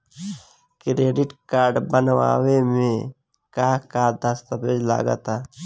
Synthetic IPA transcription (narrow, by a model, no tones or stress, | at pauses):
kɾeːɖɪʈkaːɾɖbənʋa̰ːʋemẽ | kaːkad̪ʱəst̪əpeːd͡ʒla̰ːɡə̰t̪a